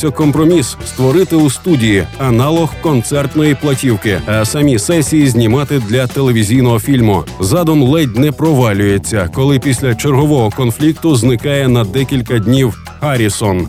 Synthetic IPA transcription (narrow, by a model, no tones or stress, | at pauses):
ɐkɔmpɾɔmʲisst̪ʋɔɾɪt̪ɪust̪udʲijiɐnɑlˠɔhkɔnt̪sɛrt̪nɔjiplˠɐtʲiwkɪɐsɐmʲisɛsʲijizʲnʲimɑt̪ɪd̪lʲɐt̪elˠeʋʲizʲijnɔɦɔfʲilʲmʊ̰zɑd̪ɔmlˠɛdʲnɛpɾɔʋɑlʲʊjet͡sʲːɐkɔlˠɪpʲisʲlʲɐt͡ʃerɦɔʋɔɦɔkɔnflʲik̚t̪ʊznɪkɑjɛnɐd̪ɛkʲilʲkɐd̪ʲnʲiw | hɐɾʲisɔn